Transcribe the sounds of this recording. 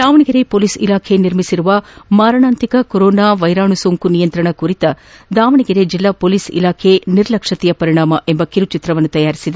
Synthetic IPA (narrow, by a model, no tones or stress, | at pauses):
d̪aːʋɐɳiɡɐɾepoːliːsḭlaːkʰeniɾmisiɾuʋɐmaːɾɐɳaːnt̪ikɐkoɾɔːnaːʋɐjɾaːɳusoːŋkunijɐnt̪ɾɐɳɐkuɾit̪ɐ | d̪aːʋɐɳiɡɐɾed͡ʒilːaːpoliːsḭlaːkʰeniɾlɐkʂɐt̪ijɐpɐɾiɳaːmɐʔembɐkiɾut͡ʃit̪ɾɐʋɐnːut̪ɐjaːɾisid̪e